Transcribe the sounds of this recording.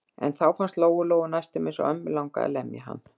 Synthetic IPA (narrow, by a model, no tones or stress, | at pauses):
ɛ̰nθawfanst̪loːwɣʏloːwɣʏnajst̪ʏmɪnsɔ̰œmːɪlawŋkaa̰lɛmja̰ɦa̰nː